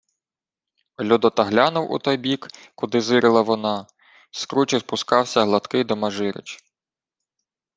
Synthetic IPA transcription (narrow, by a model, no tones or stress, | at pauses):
lʲud̪ɔt̪ɐɦlʲɑnʊwʔṵt̪ɔjbʲik | kʊd̪ɪzɪɾɪlˠɐʋɔnɑ | skɾut͡ʃɪspʊskɑwsʲɐɦlˠɐt̪kɪd̪ɔmɐʒɪɾɪ̰t͡ʃ